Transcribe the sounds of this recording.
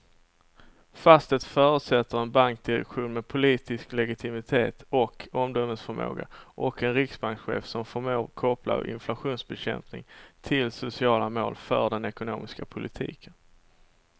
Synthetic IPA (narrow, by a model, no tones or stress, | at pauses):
fast̪ət̪fœːɾɵt̪sɛt̪ːəɾɛnbaŋk̚d̪ɪɾɛ̰kɧuːnmɛpʰʊliːt̪ɪsklɛɡɪt̪ʰɪmɪt̪ʰeːt̪ɔkʰɔmd̪ɔmːəsfœɾmo̰ːɡa̰ʔɔkɛnɾɪksbaŋkɧḛːfsɔmfœɾmoːɾkʰɔpla̰ɾɪ̰nflaɧuːnsbɛɕɛ̰mpnɪ̰ŋt̪ʰɪlsʊsɪɑːlamo̰ːlfœ̰ɖɛnɛkʊnoːmɪskapʰʊlɪt̪ʰḭːkʰən